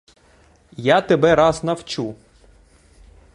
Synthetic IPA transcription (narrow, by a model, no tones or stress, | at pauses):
jat̪ebɛɾɑznɐwt͡ʃu